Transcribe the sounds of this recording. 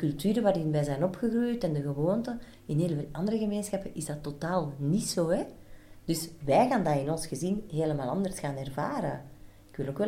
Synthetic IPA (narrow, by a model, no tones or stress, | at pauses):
dəkɵlˠtyːɾəʋaːɾɪnʋɛːzɛjnɔpxəɣrujtɛndəɣəʋoːntə | ɪnɦeːlveːlʔɑndəɾəɣəmeːnsxɑpəʔɪzdɑtotaːlˠnitsoːɦɛ | d̥ʏsʋɛjɣaːndaɪnɔnsxəzinɦeːləmaːlˠɑnd̪ərsxaːnɛrvaːɾə | ɪkʋɪlokʋɛl